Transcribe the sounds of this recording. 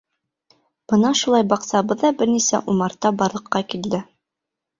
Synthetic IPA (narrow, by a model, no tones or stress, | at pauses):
b̥ɤnɑʃulˠɑjbɑqsɑbɤðːɑbɘɾnisæ̰ʔumɑɾt̪ɑbɑɾlˠɤ̆qːɑkild̪ɘ